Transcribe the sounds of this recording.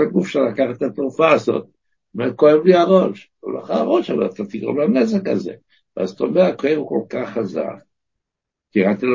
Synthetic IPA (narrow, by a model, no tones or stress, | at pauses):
aɡufʃelakaχet̪at̪ʁufaːzo̞̰t̪̚ | omeko̞emliaʁoʃ | ṵloχaaʁo̞ʃama̰at̪at̪iɡʁomlanezeka̰zḛ | veazt̪omeakoevuko̞lkaχːaza̰k̚ | t̪iʁat̪il